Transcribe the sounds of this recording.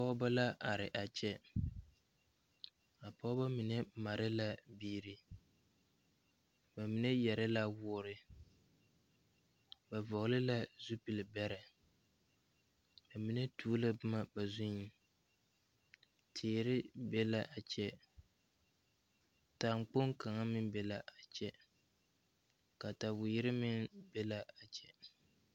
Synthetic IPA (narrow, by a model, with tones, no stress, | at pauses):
a˨pɔ˦ba˦la˦ʔa˨ɾɪ˨ʔa˨t͡ʃɛ˦ | a˨pɔ˦ba˦mi˨nɛ˦ma˨ɾɪ˦la˦biː˦ɾi˦ | ba˨mi˨nɛ˦jɛ˨ɾɪ˦la˦wʊː˦ɾɪ˦ | ba˨vɔ˨ɣlɪ˦la˦zu˦pi˨lbɛ˦ɾɛ˨ | ba˨mi˨nɛ˦tʰuː˦la˦bɨ˦ma˦ba˨zʊ˦ɲi˦ | tʰeː˨ɾɪ˦bɛ˦la˦ʔa˨t͡ʃɛ˦ | ta˨ŋ͡mk͡po˦ŋka˨ŋa˦mɪ˦nbɛ˦la˨ʔa˨t͡ʃɛ˦ | ka˨ta˨bʊ˨jɪ˦ɾɪ˦mɪ˦nbɛ˦la˦a˨t͡ʃɛ˨